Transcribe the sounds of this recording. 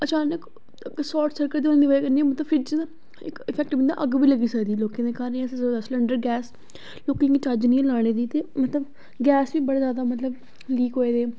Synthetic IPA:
ət͡ʃaːnək | sɔːɾʈsəɾkəɾd̪ioːld̪iʋaːekəɾniːɛ̃ːmət̪ləbpʰɪɾd͡ʒ | ɪ̰kɪfʰɛːk̚ʈɪ̃nd̪a̰ːʔəɡbiːləɡiːsəkd̪iːloːkẽːd̪eːkaːɾniɛ̃szəod̪əsləɳɖəɾɡɛːs | loːkẽŋɡit͡ʃaːɾd͡ʒnĩːẽlaːɽ̃eːd̪iːt̪eːmət̪ləb | ɡɛːsʋiːbəɽeːzjaːd̪aːmət̪ləb | liːkɦoːeːd̪eː

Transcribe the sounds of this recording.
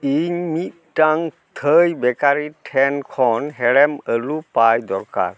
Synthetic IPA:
iɲmit̪̚ʈaŋ | t̪ʰəjbɛkaɾiʈʰɛnkʰɔnɦɛɽɛməlupajd̪ɔɾka̰ɾ

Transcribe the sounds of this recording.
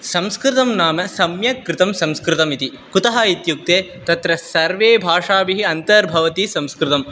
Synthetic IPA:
sɐmskɾɪt̪ɐmnaːmɐsɐmjɐkɾɪt̪ɐmsɐmskɾɪt̪ɐmit̪i | kut̪ɐɦɐit̪juk̚t̪eː | t̪ɐt̪ɾɐsɐɾʋeːbʱaːʂaːbiɦiɐnt̪ɐɾbʱɐʋɐt̪isɐmskɾɪt̪ɐm

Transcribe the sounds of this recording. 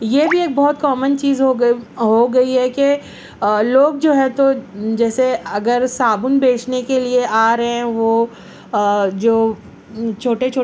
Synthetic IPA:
jebʱieːk̚bɔːt̪kɔːmənt͡ʃiːzɦoɦoɡɐiɦɛke | loːɡ̚d͡ʒoːɦɛ̃t̪od͡ʒɛːseɐɡəɾsaːbʊnbeːt͡ʃnekelieʔaːɾɐɦɛ̃ʋoː | d͡ʒoː | t͡ʃʰoːʈet͡ʃʰoː

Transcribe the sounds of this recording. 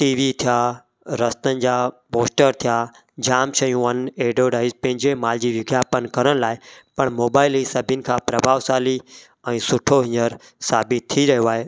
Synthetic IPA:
ʈiːʋit̪ʰijaː | ɾɐst̪ənɪ̆d͡ʑaːpoːsʈəɾt̪ʰijaː | d͡ʑaːmt͡ɕʰɐjũʋɐneːɖoːɖaːɪzpɐ̃ɦɪ̃ɲd͡ʑemaːld͡ʑiːʋɪɡjaːpənkɐɾəɽ̃laːɪpɐɽmoːbaːɪlisɐbʱənɪ̆kʰãːpɾɐbʱaːʋsaːli | ɛ̃ːsʊʈʰoɦɪ̃ɲəɾ | saːbɪt̪̚t̪ʰːiɾɐɦijoaːɦeː

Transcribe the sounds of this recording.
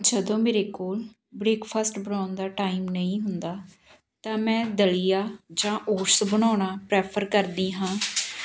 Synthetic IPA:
d͡ʒəd̪õːmeːɾeːkoːl | bɾeːkpʰaːsʈbəɳaːnd̪aːʈaːimnəĩːɦʊnd̪aː | t̪ãːmɛ̃ːd̪əlijaːd͡ʒãːʔoːʈsbəɳ̃aːɳaːpɾɛːpʰəɾkəɾd̪iːɦãː

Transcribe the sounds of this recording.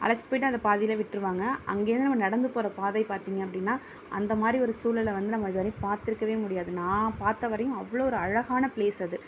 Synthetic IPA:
ʔɐ̰lɐt͡ʃːʈpoːɪʈːɯɐnd̪ɐpaːðɪjɪlɐʋɪʈːɪɾɯʋaːŋɡɐʔɐ̰ŋɡeːɾnɯnɐmɐnɐɽɐnd̪ɯpoːɾɐpaːðɐɪpaːɾt̪iːŋɡɐpːɐɽɪnːaː | ʔɐ̰nd̪ɐmaːd̪ɾiɔɾɯsuːlɪlɐʋɐnd̪ɯnɐmːɐɪðɯʋɐɾnipaːɾt̪ɪɾɯkːɐʋeːmʊɽɪjaːðɯnãːpaːɾt̪ɐʋɐɾɐjʊ̃ɐʋːɐɭoːɔɾɯɐɻɐɣaːnɐpleːsɐðɯ

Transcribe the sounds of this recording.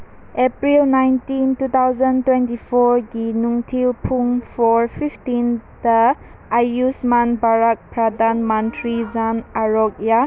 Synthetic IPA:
epɾilnajntintut̪ʰawzantwentipʰɔɾɡinuŋtʰilpʰuŋpʰɔɾpʰiftinda | ajusmanbaɾak̚pɾadanmãntɾizanaɾɔk̚ja

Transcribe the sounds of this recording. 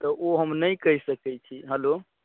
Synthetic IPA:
t̪ɔʔoɦəmnəjkəɦisəkɛt͡ʃʰiɦɛlo

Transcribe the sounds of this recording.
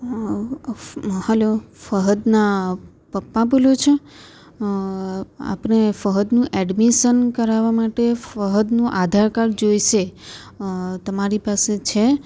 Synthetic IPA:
həlofəɦəd̪na | pəpːãbolot͡ʃʰe | a̰pɳefəɦəd̪nũʔɛɖmiʃənkəɾaʋamaʈefəɦəd̪nũʔad̪ʱaɾkaɾd͡ʒojʃe | t̪əmaɾipaset͡ʃʰe

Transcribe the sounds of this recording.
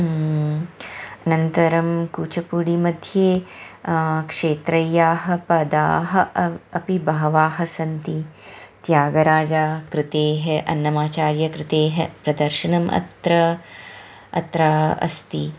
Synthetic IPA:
ɐnɐnt̪ɐɾɐmkuːt͡ʃɐpuɽimɐd̪ʱjeː | kʂeːt̪ɾɐjaːɦɐ̆pɐd̪a̰ːɦɐɐpibɐɦɐʋaːɦɐsɐnt̪it̪jaːɡɐɾaːd͡ʒaːkɾɪt̪eːɦɐʔɐ̰nːɐmaːt͡ʃaːɾjɐkɾɪt̪eːɦɐpɾɐd̪ɐɾʃɐnɐmʔɐ̰t̪ɾɐ | ɐ̰t̪ɾaːɐ̰st̪i

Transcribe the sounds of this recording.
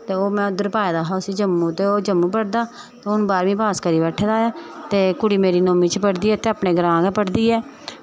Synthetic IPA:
t̪eːoːmɛ̃ːʊd̪əɾpaːjd̪aːɦaːʊsiːd͡ʒəmːũːt̪eːoːd͡ʒəmːũːpəɽd̪aː | t̪eʊnũːbaːɾʋĩːpaːskəɾiːbɛʈʰːd̪aːaːt̪eːkʊɽiːmeːɾiːnoːmiːt͡ʃpəɽd̪iːɛːt̪eːaːpɳeːɡəɾãːɡɛːpəɽd̪iːɛː

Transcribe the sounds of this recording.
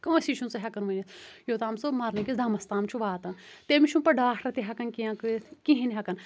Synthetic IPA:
kɐ̃ːsiʃʰunt͡sɐɦʲɐkɐnʋɐnʲɐt̪jot̪aːmsomɐɾnɐkʲisd̪ɐmɐst̪aːmt͡ʃʰuʋaːt̪ɐnt̪emiʃʰumpɐɖaːkʰɾɐt̪iɦɐkɐnkiɐ̃kɨkĩɦinʲɦɐkɐn

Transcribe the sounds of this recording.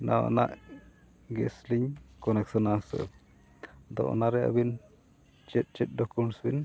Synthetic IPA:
na̰wɔ̰naʔ | ɡɛsliɲkɔnɛk̚sɔnasə̰ | d̪ɔ̰ʔɔ̰naɾɛa̰bin | t͡ʃɛt̪̚ˀt͡ʃɛt̪̚ˀɖɔkunsbin

